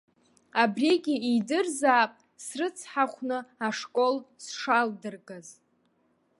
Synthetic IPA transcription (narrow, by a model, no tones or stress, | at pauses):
abreɡʲɪidɨrzaːpʼ | srɨt͡sʰħaχʷnɨaʂkʼo̞lsʂaldɨrɡʼaz